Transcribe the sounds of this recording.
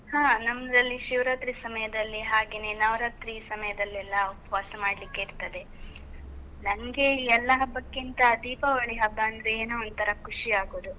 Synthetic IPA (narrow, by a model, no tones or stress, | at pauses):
hãːnɐmd̪ɐlːiʃiʋɾaːt̪ɾisɐmɐjɐd̪ɐlːiɦaːɡeːne̞ːnɐʋɾaːt̪ɾisɐmɐjɐd̪ɐlːɛlːɐupʋaːsɐmaːɖlikːeiɾt̪ɐd̪e̞ | nɐŋɡe̞iɛlːɐɦɐbːɐkːint̪ɐd̪iːpɐʋɐɭiɦɐbːɐɐnd̪ɾeːnuɐnt̪ʰɐɾɐkʰuʂiaːɡoːd̪u